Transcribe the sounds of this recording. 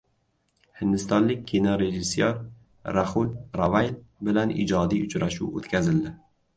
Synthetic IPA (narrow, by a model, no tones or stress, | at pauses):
hɪnd̪ɪst̪ɒnlɪk̚ʲkʰʲenɒɾe̞ʒɪsːjɒɾ | ɾahʊlɾavajlbɪlanʔɪ̰d͡ʒɒd̪ijʊt͡ʃʰɾaʃṵwo̰t̪kʲʰazɪld̪ɪ